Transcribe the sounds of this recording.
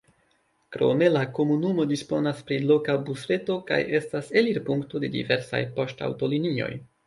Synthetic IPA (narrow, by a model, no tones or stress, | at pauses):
kɾo̞̰me̞lako̞munumo̞dispo̞naspɾilo̞kabusɾe̞to̞ka̰je̞stase̞liɾpuŋkto̞de̞dḭve̞ɾsa̰jpo̞sta̰wto̞linio̞̰j